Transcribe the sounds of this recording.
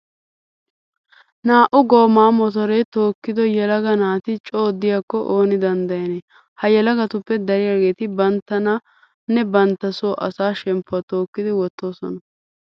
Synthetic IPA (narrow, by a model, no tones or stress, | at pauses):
naːʔʊɡo̞ːmaːmɔt̪̬ɔɾɛt̪o̞ːkːɪd̪ɔjɛlɐɡɐnaːt̪ɪt͡ʃʼo̞ːd̪ːɪjaːkːɔʔoːnɪd̪ɐnd̪ɐjɐne | hɐjɛlɐɡɐt̪ʊpːɛd̪ɐɾɪjaːɡe̞ːt̪ɪbɐnt̪ːɐnɐ | nɛbɐnt̪ːɐsoːʔɐsaːʃɛmpːʊɐt̪oːkːɪd̪ɪwɔt̪ːo̞ːsɔ̰nɐ